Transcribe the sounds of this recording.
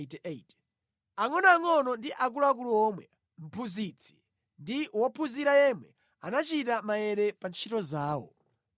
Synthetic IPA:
tt | aŋɔnaːŋɔnɔndiʔak̬ulak̬uluɔːmwɛ | m̩pʰuzit͡sʰi̥ | ndiwɔpʰuziɾajɛmwɛ̰ | anat͡ʃitamajɛɾɛpant͡ʃʰitɔzaːwɔ̰

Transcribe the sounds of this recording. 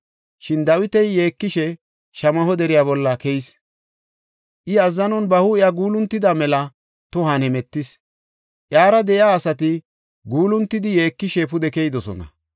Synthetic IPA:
ʃɪnd̪ɐwɪt̪ɛjːeːkːɪʃɛ | ʃɐmɐɦɔd̪ɛɾɪjaːbɔlːɐkɛjɪs | ʔɪɐzːɐnɔnbɐhʊɪjaɡuːlʊnt̪ːɪd̪amɛlɐ | t̪ʊɦanhɛmɛt̪ːɪs | ʔjaːɾɐd̪ɛʔɪaːsɐt̪̬ɪ | ɡuːlʊnt̪ːɪd̪ɪjeːkːɪʃɛpʊd̪ɛkɛjd̪ɔsɔ̰nɐ̰

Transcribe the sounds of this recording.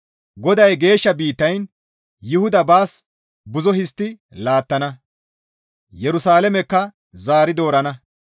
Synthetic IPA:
ɡɔd̪ɐjɡe̞ːʃːɐbiːt̪ːɐjn | jʊhʊd̪ɐbaːs | bʊzɔhɪst̪ːɪ | laːt̪ːɐnɐ | jɛɾʊsaːlɛmɛkːɐ | zaːɾɪd̪o̞ːɾɐnɐ

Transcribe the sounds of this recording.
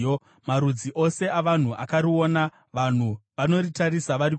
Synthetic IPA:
maɾud͡ziʔo̞se̞aʋan̤uʔa̰kaɾio̞na | ʋan̤uʋano̞ritarisaʋaɾi

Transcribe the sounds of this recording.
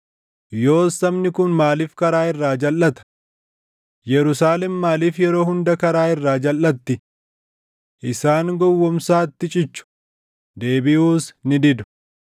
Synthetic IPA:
jo̞ːsɐmnɪkʊnmaːliːfkɐɾaːɪrːaːd͡ʒɐlːɐt̪ɐ̥ | jɛɾʊsaːlɛmːaːliːfjɛɾo̞ːhʊnd̪ɐkɐɾaːɪrːaːd͡ʒɐlːɐt̪ːɪ | ʔɪsaːŋɡɔwːɔmsaːt̪ːɪt͡ʃʼɪt͡ʃːʊ̥ | d̪e̞ːbɪʔuːsnɪd̪ɪd̪ʊ̥

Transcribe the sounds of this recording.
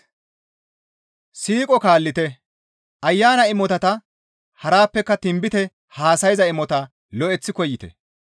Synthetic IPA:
siːkʼɔkaːlːɪt̪ɛ | ʔɐjːaːnɐɪmɔt̪ɐt̪ɐ | hɐɾaːpːɛkːɐt̪ɪmbɪt̪ɛ | haːsɐjzɐɪmɔt̪ɐ | lɔʔɛt͡sːɪkɔjːɪt̪ɛ̰

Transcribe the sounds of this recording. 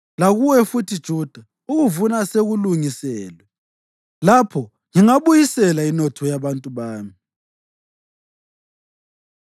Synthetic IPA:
laɣuwɛfutʰid̥ʒ̥ʱuːd̥ʱa | uɣuvunaseɣuluŋisɛːlwɛ | lapʰɔ | ŋiŋaβujisɛlainɔtʰɔjaβantʼuβaːmi

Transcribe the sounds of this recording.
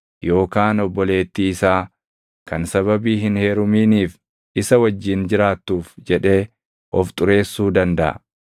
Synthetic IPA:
jo̞ːkaːnɔbːɔle̞ːt̪ːiːɪsaː | kɐnsɐβɐbiːɦɪnhe̞ːɾʊmiːniːf | ʔɪsɐwɐd͡ʒːɪnd͡ʒɪɾaːt̪ːuːfd͡ʒɛᶑe̞ː | ʔɔft̪ʼʊɾe̞ːsːuːd̪ɐnd̪ɐʔɐ̰

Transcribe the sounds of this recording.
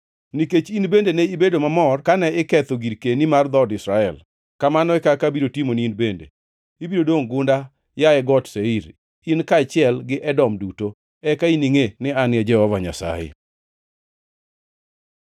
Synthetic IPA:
niket͡ʃinbendenɛibedomamɔrkanɛɪkɛt̪oɡiɾkenimard̪ɔdɪsɾaɛl | kamanɔɛkakabiɾotimoniinbendḛ | ibiɾodwoŋɡʊnda | jaɛɡɔtseiɾ | inkat͡ʃɪɛlɡɪʔɛdɔmduto | ɛkainiŋenɪanɪɛd͡ʒɛhɔvaɲa̰sa̰jḛ

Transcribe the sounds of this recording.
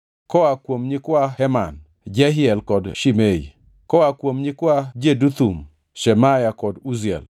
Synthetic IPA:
kɔakwomɲikwahɛman | d͡ʒɛɦɪɛlkɔdʃimeḭ | kɔakwomɲikwad͡ʒedut̪um | ʃɛmajakɔduzɛ̰l

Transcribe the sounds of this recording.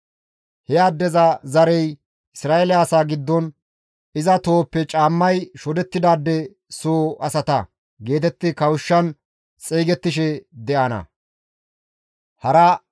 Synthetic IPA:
hɛjaːd̪ːɛzɐzɐɾɛj | ʔɪsɾaːelɪaːsaːɡɪd̪ːɔn | ɪzɐt̪o̞ːpːɛt͡ʃʼaːmːɐjʃɔd̪ɛt̪ːɪd̪aːd̪ːɛ | soːʔɐsɐt̪ɐ | ɡe̞ːt̪ɛt̪ːɪkɐwʊʃːɐn | t͡sʼiːɡɛt̪ːɪʃɛd̪ɛʔɐnɐ̰ | hɐɾɐ

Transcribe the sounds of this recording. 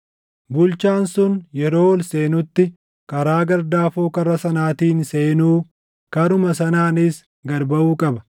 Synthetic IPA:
bʊlt͡ʃaːnsʊnjɛɾo̞ːwɔlseːnʊt̪ːɪ | kɐɾaːɡɐɾd̪aːfoːkɐrːɐsɐnaːt̪iːnseːnuː | kɐɾʊmɐsɐnaːnɪs | ɡɐɾbɐʔuːkʼɐbɐ̥

